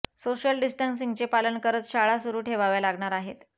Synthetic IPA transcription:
soɕjəlɖisʈəns̬iŋɡt͡sepalənkəɾət̪ɕaɭasuɾuːʈʰeʋaʋjalaɡɳaɾaɦḛt̪

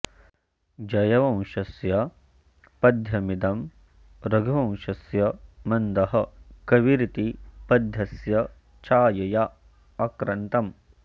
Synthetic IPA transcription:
d͡ʒɐjɐʋɐ̃w̃ʃɐsjɐ | pɐd̪ʱjɐmid̪ɐm | ɾɐɡʱɐʋɐ̃w̃ʃɐsjɐmɐnd̪ɐɦɐ̆kɐʋiɾit̪ipɐd̪ʱjɐsjɐ | t͡ʃʰaːjɐjɐ | ɐkɾɐnt̪ɐm

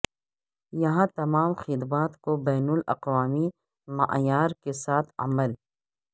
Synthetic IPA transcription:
jɐɦãt̪ɐmaːmxɪd̪baːt̪kobɛːnʊlɐ̰qwaːmi | mɐ̰ʔjaːɾkesaːt̪ʰɐ̰məl

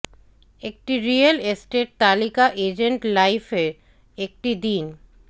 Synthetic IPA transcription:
ek̚ʈiɾijalesʈeɾ̚t̪alikaʔed͡ʑeɳʈlajfeɾ | ek̚ʈid̪in

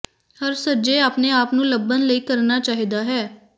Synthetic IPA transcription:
həɾsəd͡ʒeaːpneaːpnũːləbːənləiːkəɾnaːt͡ʃaːɦid̪aːɦɛː

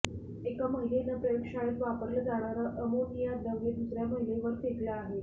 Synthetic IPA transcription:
ekəməɦilenəpɾəjokʂaet̪ʋapəɾləd͡zaɽ̃aɾəʔəmonijad̪əʋed̪usɾjaməɦileʋəɾsek̪ləːɦe

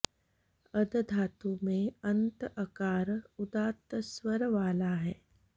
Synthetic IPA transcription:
ɐd̪d̪ʱaːt̪umẽɐ̃nt̪ɐkaːɾʊd̪aːt̪əswəɾʋaːlaɦɛː

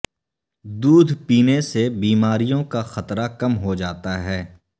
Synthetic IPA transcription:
d̪uːd̪ʱpiːnesebiːmaːɾijõkaxɐt̪ɾakɐmɦod͡ʒaːt̪aɦɛː

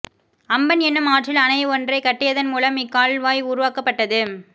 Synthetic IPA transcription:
ɐmbɐnɛnːɯmaːʈrɪlɐnɐɪɔndrɐɪkɐʈːɪjɐðɐnmuːlɐmɪkːaːɭʋaːjʊɾʊʋaːkɐpːɐʈːɐðɯ

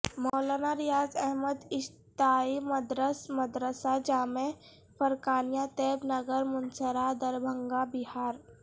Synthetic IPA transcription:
mɔːlaːnaɾijaːd͡ʒɛɦməd̪ɪs | t̪aːiməd̪ɾəsməd̪ɾəsad͡ʒaːmẽ | pəɾkaːnijat̪eːbnɐɡəɾmʊnsəɾad̪əɾbʱə̃ŋɡabɪɦaːɾ

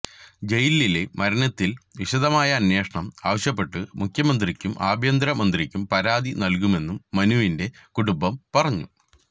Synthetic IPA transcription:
d͡ʑe̞jilːile̞mɐɾɐnɐt̪ːilʋiɕɐd̪ɐmaːjɐːnje̞ːʂɐɳɐmaːʋɐɕjɐpːe̞ʈːɨmukʰjɐmɐnd̪rikʲːumʔaːbʱjɐnd̪ɾɐmɐnd̪rikʲːumpɐɾaːd̪inɐlkume̞nːumːɐnuʋinde̞kuɽumbɐmpɐrɐɲːu

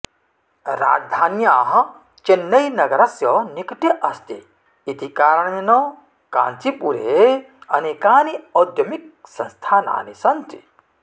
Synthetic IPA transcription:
ɾa̰ːd͡ʒd̪ʱaːnjaːɦ | t͡ʃenːɐjnɐɡɐɾɐsjɔnikʈeʔɐst̪iː | t̪ikaːɾɐɳɐnɔ | ka̰ːnt͡sipuɾe | ɐnekaːniɔd̪jɐmik̚sɐ̃nst̪ʰaːna̰ːnisɐnt̪i̥̰

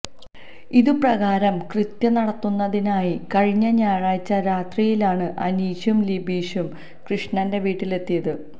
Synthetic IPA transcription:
iðuprɐɣaːɾɐmkrɨt̪jɐnɐɽɐt̪ːunːɐðinaːjikɐɻiɲːɐɲaːɻaːjt͡ɕːɐɾaːt̪rijilaːɳɨʔɐ̰niːɕumlibʱiːɕum | krɨʂɳɐnde̞ʋiːʈːile̞t̪ːijɐðɨ

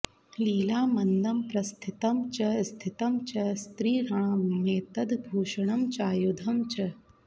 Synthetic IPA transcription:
liːlaːmɐnd̪ɐmpɾɐst̪ʰit̪ɐmt͡ʃɐst̪ʰit̪ɐmt͡ʃɐst̪ɾiːɾɐɳ̃meːt̪ɐd̪bʱuːʃɐɳɐmt͡ʃaːjud̪ʱɐmt͡ʃɐ

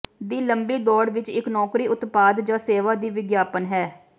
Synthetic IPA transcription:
d̪iːləmbiːd̪ɔːɽʋɪt͡ʃɪknɔːkɾiːʊt̪paːd̪d͡ʒãːseːʋaːd̪iːʋɪɡjaːpənɦɛː

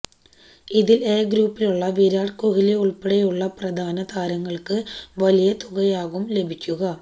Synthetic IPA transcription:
iðileːɡɾuːpːiluɭːɐʋiːɾaːɖkoɣileuɭpeɽɐjuɭːɐprɐd̪ʱaːnɐd̪aːɾɐŋːɐɭkɨʋɐlijɐt̪uɣɐjaːɣumle̞bʱikʲːuɣɐ

